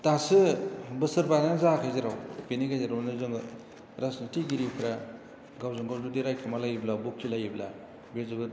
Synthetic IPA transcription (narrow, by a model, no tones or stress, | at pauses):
tasɯbɯsɯɾbaznazakʰajzeɾawpiniɡajzeɾawnɯzɯŋ | ɾasnitiɡiɾikʰɯɾa | ɡawzɯŋɡawdudiɾajkʰamalajiblabuk̚silajibla̰ | bezɯbɯ